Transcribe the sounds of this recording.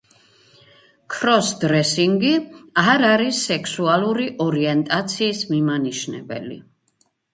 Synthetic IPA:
kʰɾɔsd̪ɾɛsiŋɡiaɾaɾisːɛkʰsualˠuɾiʔɔɾiɛnt̪ʼat̪sʰiːsmimaniʃnɛbɛ̰lḭ

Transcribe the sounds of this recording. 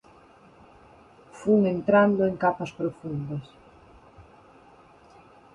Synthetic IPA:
fuŋent̪ɾand̪oeŋkapɐspɾofund̪ɐs

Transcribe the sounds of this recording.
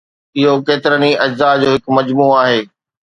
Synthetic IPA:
ɪɦokeːt̪ɪɾəniɐd͡ʑzad͡ʑoːɦɪkmɐd͡ʑmuːaːɦeː

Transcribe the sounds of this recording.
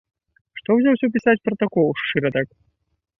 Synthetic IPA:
ʂt̪ɔwzʲawsʲɔpʲisat͡sʲpɾɐt̪akɔlˠʂt͡ʂɨɾɐt̪ak

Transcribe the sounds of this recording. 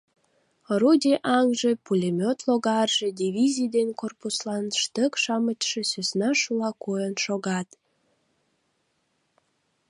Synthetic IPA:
rud̪ʲiʔɑŋʒepulʲemʲot̪loɣɑrʒed̪ʲiβʲizʲijd̪enʲkorpuslɑnʃt̪əkʃɑmət͡ɕʃĕsøsnɑʃulɑkojənʃoɣɑt̪

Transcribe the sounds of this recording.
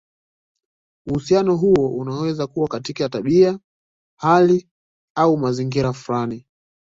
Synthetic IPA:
uhusianɔɦuɔʔunawɛzakuwakatikataɓia | hali | aumaziŋɡiɾafulani

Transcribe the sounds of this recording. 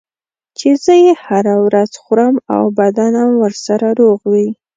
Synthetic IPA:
t͡ʃezəjehaɾawɾaz̥xʊɾəma̰wbad̪anamwəɾsaɾaɾoɣwi

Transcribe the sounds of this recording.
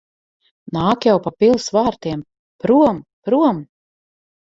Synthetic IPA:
naːkjawpapilˠsvaːɾt̪iɛm | pɾuɔmpɾuɔm

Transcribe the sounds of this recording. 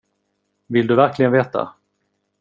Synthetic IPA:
vɪld̪ɵvæɾklɪɡənveːt̪a̰

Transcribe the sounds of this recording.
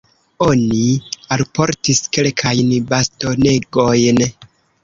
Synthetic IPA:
o̞nialpo̞ɾtiske̞lkʰajnbasto̞ne̞ɡojn

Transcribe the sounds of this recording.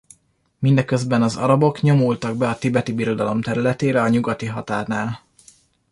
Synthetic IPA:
mind̪ɛkø̞zbɛnɒzɒ̰ɾɒbo̞kɲo̞mult̪ɒɡ̚bɛɒt̪ibɛt̪ibiɾo̞d̪ɒlo̞mt̪ɛɾylɛt̪eːɾɛɒɲuɡɒt̪iɦɒt̪aːrnaːl

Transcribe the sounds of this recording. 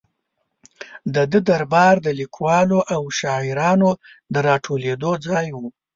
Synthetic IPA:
d̪əd̪əd̪aɾbɑɾd̪əlikʰwɑloʔawʃɑɪɾɑno | d̪əɾɑʈʰoled̪od͡zɑjwu

